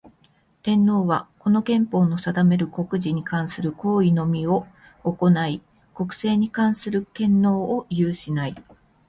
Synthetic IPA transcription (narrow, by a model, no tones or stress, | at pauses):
t̪ẽ̞nːo̞ːβako̞no̞ɡẽ̞mpo̞ːno̞sad̪ame̞ɾɯ̟ko̞kɯ̟ʑiɲ̟ikãɰ̃sɨɾɯ̟ko̞ːino̞mʲio̞ː | ko̞nai | ko̞kɯ̟̥se̞ːɲ̟ikãɰ̃sɨɾɯ̟kẽ̞nːo̞ːjɯːɕinai